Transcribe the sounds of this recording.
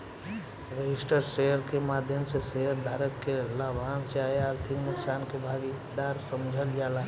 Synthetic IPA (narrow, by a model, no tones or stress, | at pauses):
ɾed͡ʒisʈəɾseɦəɾkemad̪ʱjəmseseɦəɾd̪ʱaɾəkːelabʱanseaeaɾt̪ʰiknuksankebʱaɡi | d̪aɾsəmd͡ʒʱəld͡ʒala